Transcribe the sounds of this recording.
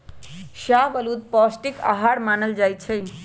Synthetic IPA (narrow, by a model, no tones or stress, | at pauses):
ʃabəlud̪̚pɔsʈika̰ɦaɽmanəld͡ʒajt͡ʃʰəj